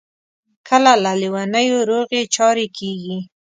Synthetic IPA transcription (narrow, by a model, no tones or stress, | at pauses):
kʰəlalaliwanəjoɾoɣet͡ʃɑɾekʰeɡi